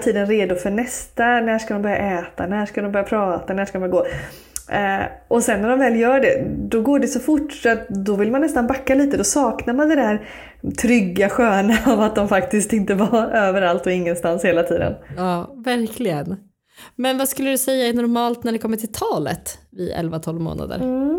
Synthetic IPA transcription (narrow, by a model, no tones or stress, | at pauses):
t̪ʰiːd̪ənɾeːd̪ʊfœɳɛst̪anæːʂkad̪ɔmbœɾja̰ʔɛːt̪anæːʂkad̪ɔmbœɾjapʰɾɑːt̪anæːʂkad̪ɔmbjaɡoː | ʔɔsɛnːæɖɔmvɛːljœːɖɛ̰d̪ɔɡoːɖɛsɔfʊʈːfœɾat̪̚d̪ɔvɪlmanːɛst̪anbakːaliːt̪əd̪ɔsɑːknaɾmand̪ɛd̪æɾ | t̪ʰɾʏɡːaɧøːnaavat̪̚d̪ɔmfak̚t̪ɪst̪ɪnt̪əvaøːvəɾalt̪ɔɪŋːənst̪ansheːlat̪ʰiːd̪ə̰nɑːvæɾkʰlɪɡən | mɛnvaskɵlːəd̪ɵsɛjːaɛnɔɾmɑːlt̪næɖɛkʰɔmːəʈʰɪlt̪ʰɑːlə̰t̪vɪ̰ɛ̰lvat̪ʰɔlvmo̰ːna̰d̪ə̰ɾ